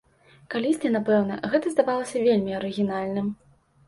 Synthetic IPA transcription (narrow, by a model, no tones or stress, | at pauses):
kalʲisʲt̪ʲɛnapɛwn̪ɐɣɛt̪ɐzd̪avalˠɐsʲɐvʲelʲmʲiɐɾɨɣʲinalʲnɨm